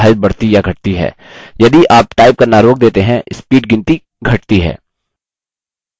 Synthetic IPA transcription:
aːɾət̪̚bɐɽ̤t̪ijaɡʱɐʈ̚t̪iɦɛ̰ː | jɐd̪iʔaːp̚ʈaːɪb̚kanaːɾoːk̚d̪eːt̪eɦɛ̃ɪspiːʈɡɪ̃nt̪i | ɡʱɐʈt̪iɦɛ̰ː

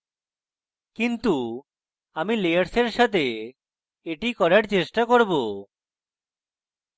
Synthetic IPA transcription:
kint̪u | amilejaɾseɾʃat̪e | eʈikɔɾaɾt͡ɕeʃʈakoɾbo

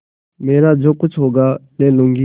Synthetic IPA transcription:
meːɾaːd͡ʒoːkʊt͡ʃʰɦoːɡaːnɛ̃ːlʊ̃ŋɡi

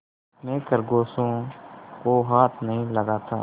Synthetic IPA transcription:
mẽːkəɾɡoːsõːkoɦaːt̪ʰnəɦĩləɡaːt̪ʰa̰ː

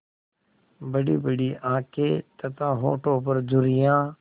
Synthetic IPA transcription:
bəɽiːbəɽiːʔãːkʰeːt̪ət̪ãːɦoːʈõːp̬əɾd͡ʒʊɾɪjãː

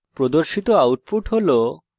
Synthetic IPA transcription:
pɾod̪oɾʃit̪oawʈ̚puʈɦolo

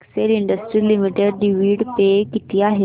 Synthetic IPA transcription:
kseliɳɖəsʈɾiːlimiʈeɖɖiʋiɽpekit̪ʰiːaɦe

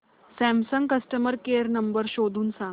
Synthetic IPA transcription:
sæ̃msəŋɡkəsʈəməɾkeəɾnəmbəɾɕod̪ʱuːnsã

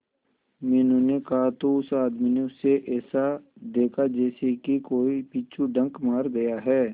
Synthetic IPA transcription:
mɛːnũnekɐɦat̪oʊsaːd̪mineʊsːeʔɛːsad̪eːkʰad͡ʒɛːsekikoːipiːt͡ʃʰuɖɐ̃ŋkmaːɾɡɐjaɦɛː

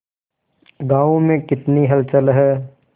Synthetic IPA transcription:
ɡaːʋõmẽkɪt̪niɦɐlt͡ʃəlɦɛː

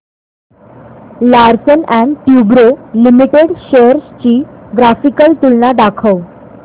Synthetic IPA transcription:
laɾsənæ̃ɳɖʈjubɾolimiʈeɽɕeɾst͡ɕiːɡɾafikəlt̪ulnaɖakʰəw

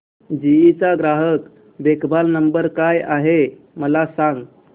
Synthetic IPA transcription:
d͡ʑiit͡saɡɾaɦək | b̪ekʰbalnəmbəɾkajaɦe | məlasãŋɡ

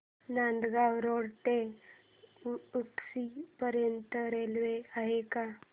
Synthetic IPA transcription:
nãnd̪ɡawɾoɽʈe | uksipəɾjənt̪əɾelʋeaɦeka

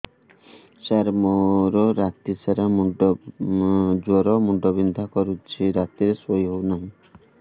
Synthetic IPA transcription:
t͡ʃaɾmoɾɔɾat̪isaɾamɖ | d͡ʒɔɾɔmuɖɔbind̪ʱakɔɾut͡ʃʰiɾat̪iɾesojɦownaɦĩ

